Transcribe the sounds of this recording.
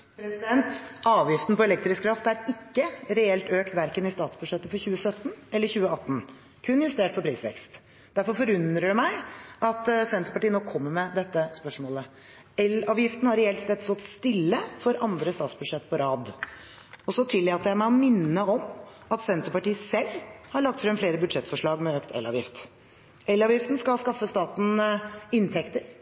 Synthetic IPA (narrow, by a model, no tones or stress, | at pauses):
pʰɾɛsɪd̪ɛnt̪ɑːʋjɪft̪n̩pɔɛlɛkt̪ɾɪskɾɑft̪æɾɪkːəɾɛɛlt̪øːkt̪ʋæɾkənɪst̪ɑːt̪sbʉd̪ʂɛt̪ːəfɔɾçʉːəsœt̪ːnɛlːəɾçʉːəɑt̪ːn̩ | kʰʉnjʉst̪eːʈfɔɾpʰɾiːsʋɛ̰kst̪ | d̪æɾfɔɾfɔɾʉnd̪ɾəɖʉmæɪʔɑt̪sɛnt̪əpɑʈiːənɔkʰːɔmːəmɛd̪ɛt̪ːəspœʂmoːlə | ɛlːɑʋjɪft̪n̩hɑɾɛɛlt̪st̪ɛt̪st̪ɔt̪ːst̪ɪlːəfɔɾʔɑnd̪ɾəst̪ɑːt̪sbʉd̪ʂɛt̪ːpʰɔɾɑːd̪ | ɔsɔt̪ʰɪlːɪɑt̪jæɪmæɪɔmɪnːəɔm | ɑt̪sɛnt̪əpɑʈiːsɛlːhɑɾɭɑɡ̚t̪fɾœmfleːɾəbʉd̪ʂɛt̪fɔʂɭɑːɡmɛøːkt̪ʰɛ̰lːɑ̰ːʋjɪft̪ | ɛlːɑːʋjɪft̪n̩skɑlskɑfːəst̪ɑːt̪n̩ɪnt̪ʰɛkt̪əɾ